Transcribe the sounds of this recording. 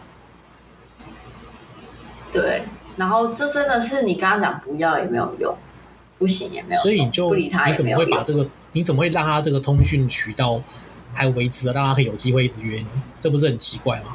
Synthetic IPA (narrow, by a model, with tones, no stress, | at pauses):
t̪we˥˩ɪna˧˦˥nxo˥˧ʊʈ͡ʂə˥˨ʈ͡ʂə˦nd̪ə˨ʂɻ̩˥˩ni˨˩kɑ˥ŋɑ˥ŋt͡ɕjɑ˨˩ŋpu˧˥jɑ˥˨ʊjɛ̰˨˩me˧˥ɪjo̰˨˩˦jʊ̰˥˨˩ŋ | pu˥˩ɕi˧˦ŋjɛ̰˨me˧˦sjswɔ˧˥i˨ni˨˩t͡ɕjo˥˩ʊ˧li˨˩t̪ʰa˥ji˨˧˥t͡sə˨˩m˦ə˧˨xwe˥˩pa˨˩ʈ͡ʂɤ˥˩ɡə˨˩ | ni˨˥t͡sə˨˩mə˦xwe˥˧ɪlɑ˥˨ŋt̪ʰa˥ʈ͡ʂɤ˥˩ɡə˩t̪ʰʊ˥ŋɕy˥˩nt͡ɕʰy˨˩˦t̪ɑ˥˩ʊ | ha˧˥˨we˧˥ɪt͡s̩̪ʰ˧˥ə˧˦˥ɑ˥˩˧t̪ʰa˥kʰjo˨˩t͡ɕi˦˥xwe˥˧ɪ˥t͡sɻ̩˨˩ɥɛ˧˦ni˧˦nʈ͡ʂɤ˥˩pu˦ʂ̬̩˥˩hə˨˩nt͡ɕʰi˧˥kwa˥˩ɪma˩